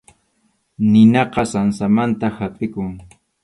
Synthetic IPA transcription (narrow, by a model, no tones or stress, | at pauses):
nɪnɑqɑsansamant̪ahapʼɪkʊŋ